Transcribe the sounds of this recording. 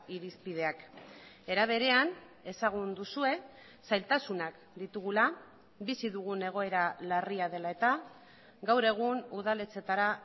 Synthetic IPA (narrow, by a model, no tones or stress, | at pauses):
iɾispið̞e̞ak | e̞ɾaβ̞e̞ɾe̞an | e̞saɣ̞und̪usue̞ | sajlt̪asunak | d̪it̪uɣ̞ula | bisiðuɣune̞ɣ̞o̞e̞ɾalariað̞e̞lae̞t̪a | ɡawɾe̞ɣ̞unuð̞alet͡se̞t̪aɾa